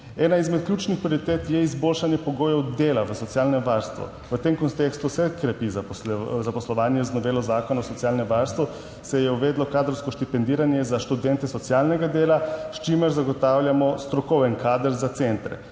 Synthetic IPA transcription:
ɛːnaizmɛt̪̚kljuːt͡ʃnixpɾijoɾit̪eːt̪jɛizboːlʃanjɛpɔɡoːjɔwd̪eːlaʋəsɔtsiaːlnɛmʋaɾst̪ʋɔ̰ | ʋət̪emkɔnt̪eːkst̪usɛkɾɛpizazapɔslɔʋaːnjɛznɔʋeːlɔzaːkɔnaɔsɔt̪sjaːlnɛmʋaɾst̪ʋɔ | sɛjɛuʋeːd̪lɔkaːd̪ɾɔwskɔʃt̪ipɛnd̪iːɾanjɛzaʃt̪ud̪ɛnt̪ɛsɔt̪sijalnɛɡad̪eːlaʃt͡ʃiməɾzaɡɔt̪aːwljamɔst̪ɾɔkɔwʋɛnkaːd̪əɾzat̪sent̪ɾɛ̰

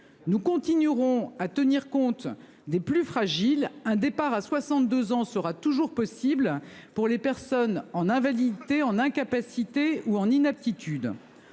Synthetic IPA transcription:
nukɔ̃t̪inyʁɔ̃at̪əniʁkɔ̃t̪ | d̪eplyfχaʒilɛ̃d̪epaʁaswasɑ̃t̪̚d̪øzɑ̃səʁat̪uʒuʁpɔsibl | puʁlepɛʁsɔnɑ̃nɛ̃valid̪t̪eɑ̃nɛ̃kapasit̪euɑ̃ninap̚t̪it̪ʰyd̪

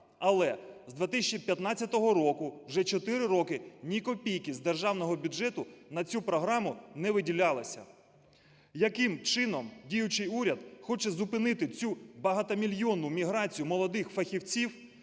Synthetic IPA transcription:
ɐlˠɛzd̪ʋʲet̪ɪsʲt͡ʃipʲjɐt̪nɑt͡sʲːɐt̪ɔɦɔɾɔkʊwʒɛt͡ʃɔt̪ɪɾɪɾɔkɪnʲikɔpʲijkɪzd̪erʒɑwnɔɦɔbʲʊd͡ʒɛt̪ʊnɐt͡sʲupɾɔɦɾɑmʊnɛʋɪdʲilʲɑlˠɪsʲɐ̰ | jɐkɪmt͡ʃɪnɔmdʲijʊt͡ʃɪjuɾʲɐd̪xɔt͡ʃɛzʊpɪnɪt̪ɪt͡sʲubɐɦɐt̪ɐmʲilʲjɔnːʊmʲiɦɾɑt͡sʲijʊmɔlˠɔd̪ɪxfɐxʲiwt͡sʲiw

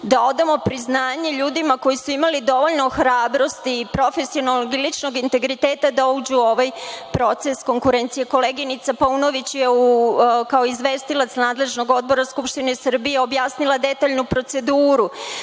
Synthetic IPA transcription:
d̪ao̞d̪amo̞pɾiznaːɲe̞ʎuːd̪imako̞jisuimalid̪o̞ʋo̞ʎno̞xɾaːbɾo̞st̪iːpɾo̞fe̞sionoloɡilit͡ʃno̞ɡint̪e̞ɡɾit̪e̞ːt̪ad̪aud͡ʑuo̞ʋajpɾo̞t̪se̞sko̞ŋkuɾe̞nt̪sije̞ko̞leɡinit̪sapauno̞ʋit͡ɕjeukaoizʋe̞ːst̪ilˠat̪snaːd̪le̞ʒno̞ɡo̞d̪̚bo̞ɾaskupʃt̪inesr̩bijeo̞bjaːsnilˠad̪e̞t̪aʎnupɾo̞t̪se̞d̪uːɾu

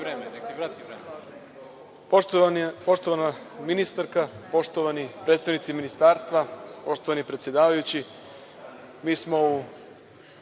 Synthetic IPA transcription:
ɾemet̪ɾeːm | po̞ʃt̪o̞ʋana | minist̪aɾkapo̞ʃt̪oʋanipɾet̪st̪aʋnit̪siminist̪aːɾst̪ʋapo̞ʃt̪oanipɾet̪sje̞d̪aːʋajut͡ɕi | miːsmo̞u

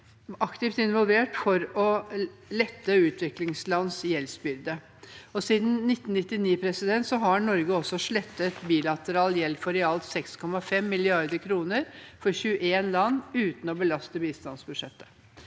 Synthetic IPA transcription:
ɑkt̪ɪft̪ɪnʋɔlʋeːʈfɔɾɔlɛt̪ːəʉːt̪ʰʋɪklɪŋslɑnːsjɛlsbʏɾd̪ə | ɔsiːd̪n̩ːɪt̪ːn̩nɪt̪ːɪniːpʰɾɛsɪd̪ɛnt̪sɔɦɑɳɔɾɡəɔsɔʂɭɛt̪ːət̪biːlɑt̪əɾɑːljɛlfɔɾɛɑlt̪sɛkskʰɔmɑfɛmːɪlɪɑɾd̪əkʰɾuːnəɾfɔɾçʉːəʔeːnlɑnːʉːt̪n̩ɔbəlɑst̪əbiːst̪ɑnsbʉd̪ʂɛt̪ːə̥

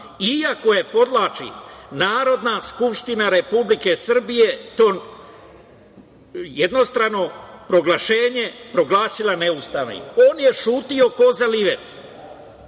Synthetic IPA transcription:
iako̞je̞po̞d̪lˠaːt͡ʃḭnaːɾo̞d̪naskupʃt̪inaɾe̞publike̞sr̩bije̞t̪oːn | jed̪no̞st̪ɾano̞pɾo̞ɡlaʃe̞ːɲe̞pɾo̞ɡlˠaːsilˠaneust̪aʋnḭkoːnje̞ʃuːt̪io̞ko̞zaliʋet

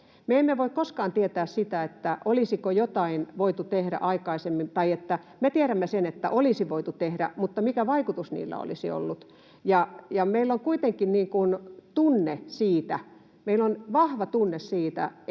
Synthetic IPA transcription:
meemːeʋoikkoskɑːnt̪iet̪æːssit̪æet̪ːæʔolisikojot̪ɑinʋoit̪ut̪ehɾæ̰ʔɑikɑisemːint̪ɑiet̪ːæ | met̪ieɾæmːesenet̪ːæ̰ʔolisiʋoit̪ut̪ehɾæ̰mut̪ːɑmikæʋɑikut̪usnḭːlːæ̰o̰lisḭo̰lːut̪ | jɑjɑmeilːoŋkuit̪eŋkinniːŋkunt̪unːesiːt̪æ | meilːonʋɑhʋɑt̪unːessiːt̪æ̰

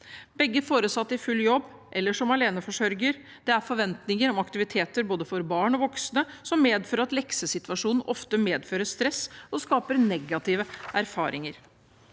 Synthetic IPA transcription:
bɛɡːəfoːɾəsɑt̪ːɪfʉlːjɔbː | ʔɛlːəʂɔmɑleːnəfɔʂœɾɡəɾ | d̪̥ɛæɾfɔɾʋɛnt̪nɪŋəɾɔmɑkt̪ɪʋɪt̪ʰeːt̪əɾboːd̪əfɔɾbɑːɳɔʋɔksnəsɔmːeːd̪føːɾəɾɑt̪lɛksəsɪt̪ʉʋɑʂuːnn̩ʔɔft̪əmeːd̪føːɾəʂt̪ɾɛsɔskɑːpəɾnɛɡɑt̪ʰiːʋəʔæɾfɑ̰ːɾʔɪŋəɾ

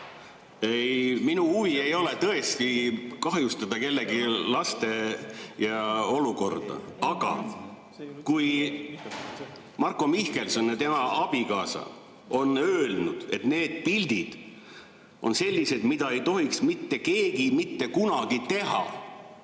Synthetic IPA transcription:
ejminuuvie̞jo̞le̞t̪ɤ̞est̪ikɑɦjust̪ɑd̪̥ɑke̞lːeɡilɑst̪e̞jɑo̞luko̞rd̪̥ɑ̰ɑɡ̥ɑ̰ | kuj | mɑrkˑo̞mihke̞lsonːet̪e̞mɑʔɑb̥ikɑːsɑ̰ | o̞nøːlnud̪̥e̞t̪ne̞ːd̪̥̚pilʲd̪̥id̪̥ | o̞̰nse̞lʲːise̞d̪̥mid̪̥ɑe̞jt̪o̞ɦiksmit̪ːe̞ke̞ːɡimit̪ːe̞kunɑɡ̥it̪e̞ɦɑ̰

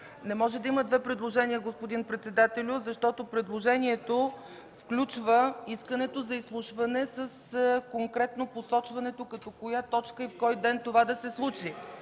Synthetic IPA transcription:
nɛmɔʒɛd̪ɐiməd̪vɛpɾɛd̪lˠoʒɛniəɡospod̪inpɾɛt̪sɛd̪at̪ɛlʲʊzɐʃt̪ɔt̪opɾɛd̪lˠoʒɛniɛt̪o | fklʲut͡ʃvəiskənɛt̪ozɐislˠuʃvɐnɛsəskoŋkɾɛt̪noposɔt͡ʃvɐnɛt̪okɐt̪ɔkojat̪ɔt͡ʃkəifkɔjd̪ɛnt̪ovad̪ɐsɛslˠut͡ʃi

